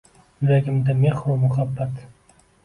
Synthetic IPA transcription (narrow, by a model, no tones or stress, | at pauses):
laɡʲɪmd̪ameχɾumʊχabːat̪